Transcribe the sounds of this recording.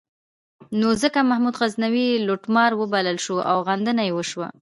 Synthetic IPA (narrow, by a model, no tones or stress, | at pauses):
nozəkamahmud̪ɣaznawiloʈmɑɾwəbaləlʃoʔa̰wɣand̪ənajewəʃwa̰